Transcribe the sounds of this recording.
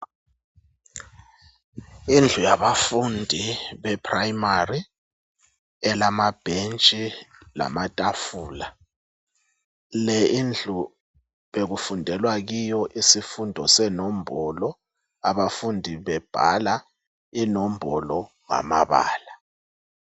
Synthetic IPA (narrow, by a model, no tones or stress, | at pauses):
ind͡ɮʱujaβafundʱiβɛpʰrajmari | ɛlamab̥ʱent͡ʃʼila̰matʼafuːla | lɛind͡ɮʱu | ɓeɣ̬ufundʱɛlwaɣ̬ijɔʔisifundʱɔsɛnɔm̩bʱɔlɔ | aβafundʱiβɛb̥ʱa̰la | inɔm̩bʱɔlɔ | ŋa̰ma̰βa̰ːla